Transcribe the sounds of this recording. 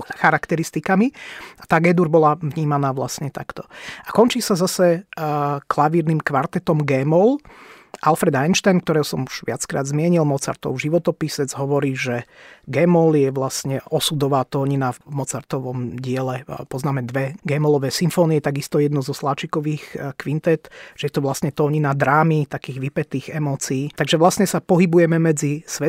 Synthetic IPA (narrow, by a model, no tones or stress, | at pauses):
xaɾakt̪ɛɾist̪ikamiat̪aːɡɛd̪uɾbɔlaʋɲiːmanaːʋlasɲɛt̪akt̪ɔ̥ʔakɔnt͡ʃiːsazasɛ | klaʋiːɾniːmkʋaɾt̪ɛt̪ɔmɡɛːmɔlʔalfɾɛd̪ajnʃt̪ajnk̚t̪ɔɾɛːɦɔsɔmuʒ̥ʋɪat͡skɾa̰ːd̪zmɪɛɲilmɔt͡sa̰ɾt̪ɔ̰ʊʒiʋɔt̪ɔpisɛd͡zɦɔʋɔɾiːʒɛɡɛːmɔljɛʋlasɲɛɔsudɔʋaːt̪ɔːɲinavmɔt͡saɾt̪ɔʋɔmɟɪɛlɛpɔznaːmɛd̪ʋɛɡɛmɔlɔʋɛːsiɱfɔːniɛt̪aɡist̪ɔjɛd̪nɔzɔslat͡ʃikɔʋiːxkʋint̪ɛt̪ʒ̥ɛjɛt̪ɔʋlasɲɛt̪ɔːɲinad̪ɾaːmit̪akiːɣʋipɛt̪iːɣɛmɔːt͡siːt̪aɡʒɛʋlasɲɛsapɔɦibujɛmɛmɛd͡zisʋɛ